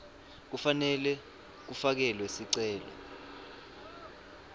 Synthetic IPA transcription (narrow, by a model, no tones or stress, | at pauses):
k̬ufanɛlɛ | k̬ufak̬ɛlwesiǀɛːlɔ̰